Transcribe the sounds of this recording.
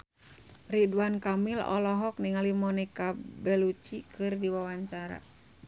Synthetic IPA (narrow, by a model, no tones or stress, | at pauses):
riduankamilɔ̰lɔɦɔk̚niŋalimɔnikabɛlut͡ʃikɨrdiwawaɲt͡ʃaɾa̰